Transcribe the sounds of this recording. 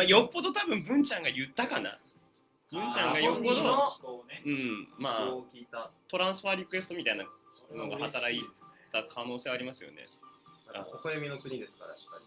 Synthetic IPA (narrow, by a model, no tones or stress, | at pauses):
majo̞pːo̞d̪o̞t̪abɯ̟̃mbɯ̟̃ɲt͡ɕãŋɡajɯ̟t̪ːakana̰ | bɯ̟̃ɲt͡ɕãŋɡajo̞pːod̪o | ɯ̟̃maːkʲiːt̪at̪o̞ɾãɰ̃sɨɸaɾʲikɯ̟e̞sɨ̥t̪o̞mʲit̪ainano̞ɡahat̪aɾait̪akʰano̞ːseβaɾʲimasɨjo̰nḛaa̰okoamʲinokɯ̟ɲ̟id̪e̞sɨ̥kaɾai̥pːaɾʲi